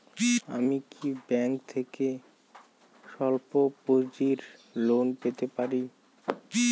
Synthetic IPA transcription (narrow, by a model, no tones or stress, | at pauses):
a̰mikʰibɛŋk̚t̪ʰeke | ʃɔlpopod͡ʑiɾlonpet̪epaɾi